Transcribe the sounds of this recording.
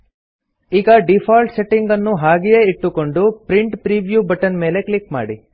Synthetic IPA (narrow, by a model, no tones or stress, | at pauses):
iːɡɐɖipʰaːlʈseʈːiŋɡɐnːuɦaːɡijeiʈːuko̞ɳɖupɾiɳʈpɾiːʋjuːbɐʈɐnme̞ːle̞klikma̰ːɽi